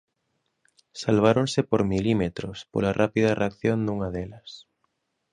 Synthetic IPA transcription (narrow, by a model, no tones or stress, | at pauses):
salβ̞aɾonsepoɾmilimet̪ɾospo̰larʔapiðareakθjond̪uŋaðelɐs